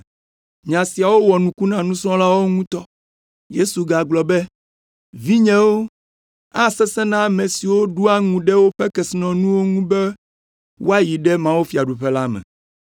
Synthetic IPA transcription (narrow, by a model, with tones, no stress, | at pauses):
ɲã˨si˨a˨wo˦wɔ˨nũ˨ku˦nã˦nũ˦sɔ̃˦la˦wo˦ŋũ˦t̪ɔ˦ | je˦su˨ɡa˨ɡlɔ˨bɛ˦ | vi˦ɲɛ̃˦wo˦ | a˦sɛ˦sɛ˦nã˦˨mẽ˨si˨wo˦ɖu˦a˦ŋũ˨ɖɛ˦wo˦ɸɛ˦kɛ˨si˦nɔ̃˨nũ˦wo˦ŋũ˦bɛ˦ | wo˦a˦ji˨ɖɛ˦mã˦wo˦fi˨a˨ɖu˨ɸɛ˦la˦mɛ̰̃˨